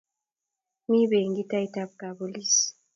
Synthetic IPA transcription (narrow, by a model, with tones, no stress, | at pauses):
mi˦βeː˨ŋɡi˦ta˦i˦taβɡa˨βolisi̥